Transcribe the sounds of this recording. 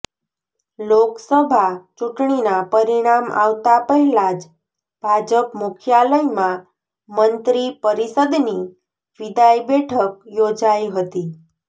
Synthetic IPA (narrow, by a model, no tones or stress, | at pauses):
loksəbʱat͡ʃuʈɳ̃inapəɾiɽ̃ama̰ʋt̪apəɦilad͡ʒ | bʱad͡ʒəpmukʰjaləjmã | mənt̪ɾipəɾisəd̪ni | ʋid̪ajbeʈʰək̚jod͡ʒaiɦət̪iː